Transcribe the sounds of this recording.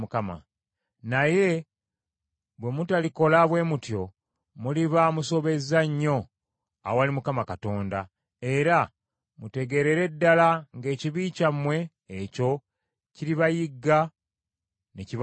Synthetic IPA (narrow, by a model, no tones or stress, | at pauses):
ukama̰ | naje̞ | βwe̞mutaliko̞laβwe̞ːmutjo̞ | muliβamuso̞βe̞zaɲːo̞ | a̰owalimukamakato̞ːnda | e̞ɾa | mute̞ɡe̞ɾe̞ɾe̞dːalaŋɡe̞ːciβicamwe̞ː | co̞ | ciɾiβajiɡːa | neciβ